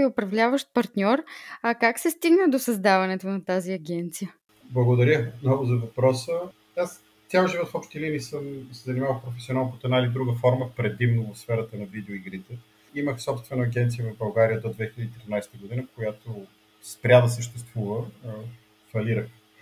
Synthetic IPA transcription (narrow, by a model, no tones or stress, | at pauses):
iʊpɾɐvlʲavəʃt̪̚pɐɾt̪nʲɔɾɐkaksɛst̪iɡnəd̪osɐzd̪avɐnɛt̪onɐt̪aziɐɡʲɛnt̪sijə | blˠɐɡod̪ɐɾʲəmnɔɡʊzɐvɐpɾɔsə | as | t̪ʲjaʒivɔt̪fɔpʃt̪iliniːsəmsɛzɐnimavəlˠfpɾofɛ̥sionalˠnkot̪oɛd̪ailid̪ɾuɡəfɔɾməfpɾɛd̪imnovofsfɛɾət̪ənɐvid̪ɛoiɡɾit̪ɛ | iməxsɔpst̪vɛnɐɐɡʲɛnt̪sijəvɐvbɐlˠɡaɾijəd̪od̪vɛxilʲəd̪iːt̪ɾinajst̪əɡod̪inəkojat̪o | spɾʲad̪ɐs̬əʃt̪ɛst̪v̥uvə | fɐliɾəx